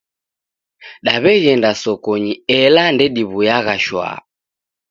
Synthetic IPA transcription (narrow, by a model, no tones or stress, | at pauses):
ɗaβɛɣɛndasɔkɔɲiɛlandɛɗiβujaɣaʃwa̰